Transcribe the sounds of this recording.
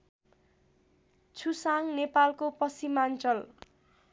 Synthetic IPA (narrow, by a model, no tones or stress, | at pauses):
t͡sʰusaŋnepalkopʌsimant͡sʌl